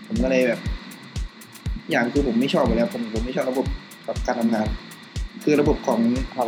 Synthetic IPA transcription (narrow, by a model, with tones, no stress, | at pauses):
pʰo˩˦mkɔ˧˩lɤː˧jbɛː˨˩p̚ | jaː˨˩ŋkʰɯː˧pʰo˩˦mːa˥˩jt͡ɕʰɔː˥˩p̚ːa˧˩lɛː˦˥˩pʰːm˨˩po˩˦mːa˥˩jʰɔː˥˩p̚la˧bo˨˩p̚ | bɛː˨˩p̚kaː˧nt̪ʰa˧ŋaː˧n | kʰɯː˧ɾa˧bo˨˩p̚kʰɔː˩˦ŋʰa˧